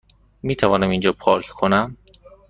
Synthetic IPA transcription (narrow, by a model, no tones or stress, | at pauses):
miːt̪ʰævɒːnæmind͡ʒɒːpʰɒːɾkʰkʰonæm